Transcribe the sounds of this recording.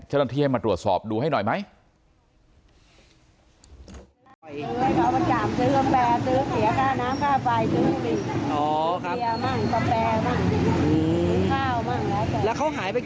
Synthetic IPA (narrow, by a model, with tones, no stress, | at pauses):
t͡ɕaː˥˩na˧t̪ʰiː˧˩hjmaː˧t̪ɾu˨˩ət̪̚sɔ̰ː˨˩p̚duː˧ɦa˥˩jnɔ˨˩jma˦˥j | ɯ˧˨˩jka˦˥˩wma˧nkaː˨˩msɯː˦˥ba˧mpɛː˧sɯː˦˥si˨˩˦ɐ˦˧kʰaː˧˩nːaː˦˥mkʰaː˥˩fa˧jsɯː˦˥˦pi˨˩ʔɔː˧˨˩kʰmaː˥˩˦ka˧mpɛː˧maː˥˩ŋ˧ɯː˧˩˧kʰaː˥˩wmaː˥˩ŋlɛː˦˥ka˧˩lɛː˦˥wkʰa˦˥wɦaː˨˩˦jpa˧j